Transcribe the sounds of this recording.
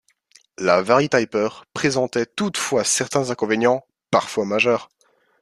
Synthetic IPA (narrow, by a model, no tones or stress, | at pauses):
lavaʁit̪ajpœʁpχezɑ̃t̪ɛt̪ut̪fwasɛʁt̪ɛ̃zɛ̃kɔ̃venjɑ̃ | paʁfwamaʒœːʁ